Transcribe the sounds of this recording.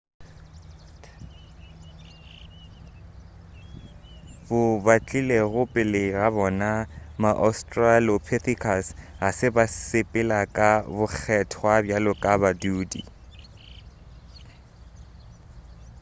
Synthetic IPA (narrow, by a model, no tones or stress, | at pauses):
bʊbat͡ɬʼileɣʊpʼɪlɪɣabɔnamaʔɔstʼralopʰɪθikʰasɣasɪbasɪpʼɪlakʼabʊk͡xʰɛtʰwabjalʊkʼabaduːdḭ